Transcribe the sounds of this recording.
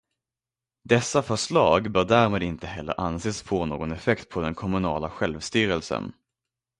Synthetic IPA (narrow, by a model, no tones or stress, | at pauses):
d̪ɛsːafœʂɭɑːɡbœːɖæːɾmeːd̪ɪnt̪əɦɛlːə̰ɾʔanseːsfoːno̰ːɡɔnɛfɛkt̪̚pʰɔd̪ɛnkʰɔmɵnɑːlaɧɛlvst̪yːɾəlsə̰n